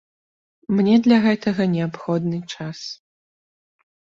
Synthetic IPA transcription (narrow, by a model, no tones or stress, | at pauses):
mnʲɛd̪lʲɐɣɛt̪ɐɣɐnʲɛapxɔd̪nɨt͡ʂas